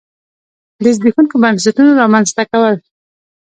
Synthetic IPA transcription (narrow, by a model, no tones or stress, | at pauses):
d̪əzbixunkobans̬atunoɾɑmanzt̪akawəl